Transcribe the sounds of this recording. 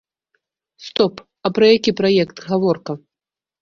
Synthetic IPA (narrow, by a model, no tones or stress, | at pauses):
st̪ɔp | ɐpɾɐjakʲipɾajɛkt̪ɣavɔrkɐ